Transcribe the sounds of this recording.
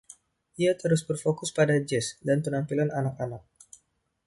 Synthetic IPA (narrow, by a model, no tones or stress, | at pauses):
ʔiat̪əɾʊsbərfokʊspadad͡ʒɛsdanpənampilananak̚anak̚